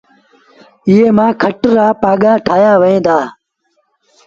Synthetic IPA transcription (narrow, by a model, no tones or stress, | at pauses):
ɪɦeːmãːkʰəʈɾaːpaːɠaːʈʰaːjaːʋəẽːd̪aː